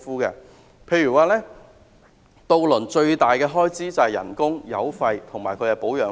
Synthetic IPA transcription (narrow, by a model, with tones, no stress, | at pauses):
fuː˥kɛ̰ː˧ | pʰe˧jyː˨˩waː˨lɛː˥ | t̪o˧wlɵ˨˩nt͡ʃɵ˧ɥt̪aː˨jkɛː˧ɦɔː˥jt͡siː˥t͡sɐ˨˩hɐ˨˩jɐ̰˨˩nkʊ˥ŋjɐ̰˨˧wfɐ˧jt̪ʰʊ˨˩ŋmaː˨˩jkʰɵ˨˧hɐ˨˧˩po˨˥wjœː˨˥